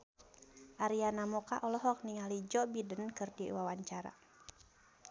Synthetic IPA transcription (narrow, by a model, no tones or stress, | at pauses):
ʔaɾianamɔkaʔɔlɔɦɔk̚niŋalid͡ʒɔbidənkɨrdiwawaɲt͡ʃaɾa̰